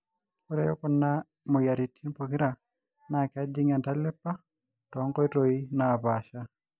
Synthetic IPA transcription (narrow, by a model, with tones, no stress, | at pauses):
kʊ˦ɾɛ˨jɔ̰˦kʊ˦nːa˦ | mo˨ja˨ɾi˨tʰi˦npo˨kɪ˦ɾa˨ | na˨kɪ˨a˦d͡ʒɪ˦ŋa˨nta˦lɪ˦pːa˦ | tɔ˨˦ŋkɔ˦i˦ɾo˨i˦naː˨pa˨ʃa˦